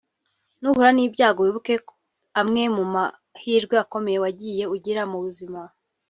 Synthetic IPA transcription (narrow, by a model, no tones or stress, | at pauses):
nuhuɾaniːbɟaːɡoβiβuke | amŋe̞muma | hiːɾɡweako̞me̞je̞waɟije̞uɟiɾamuβuzima